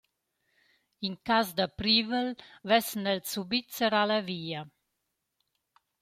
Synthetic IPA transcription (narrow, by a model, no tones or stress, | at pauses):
iŋkazd̪apɾivəlvɛsnɛlsubit͡səɾalaviːa